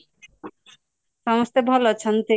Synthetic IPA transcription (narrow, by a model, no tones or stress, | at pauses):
ʃɔmost̪ebʱɔlot͡ɕʰont̪e